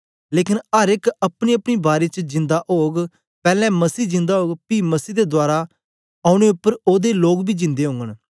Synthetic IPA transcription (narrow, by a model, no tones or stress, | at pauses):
leːkɪnəɾɪkəpɽ̃iːəpɽ̃iːbaːɾeːt͡ʃd͡ʒɪ̃nd̪aʔoːɡ | pɛːlɛ̃ːməsiːd͡ʒɪ̃nd̪aːɦoːɡpiməsiːd̪ed̪ʊaːɾa | aːʊɽ̃eːʊpːəɾoːd̪eloːɡbiːd͡ʒɪ̃nd̪eːɦʊ̃ŋɡən